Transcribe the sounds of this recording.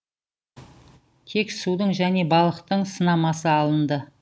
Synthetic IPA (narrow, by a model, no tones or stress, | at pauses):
t̪ʰe̞ksud̪əɴʒæne̞bɑlˠəqt̪əɴsənɑmɑsəɑlˠənd̪ə